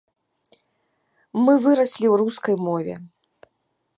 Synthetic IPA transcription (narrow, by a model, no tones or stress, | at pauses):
mɨvɨɾɐsʲlʲiwruskɐjmɔvʲɛ̰